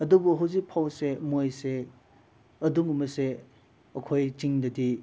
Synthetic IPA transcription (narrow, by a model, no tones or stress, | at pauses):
ɐdubuɦɐwzik̚pʰawsemojse | ɐdumumɐse | ɐkʰojt͡ʃiŋdɐdi